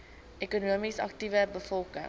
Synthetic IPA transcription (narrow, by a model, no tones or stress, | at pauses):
ʔekunuəmisɐ̰k̚tivəbəfɔlˠkə̰ŋ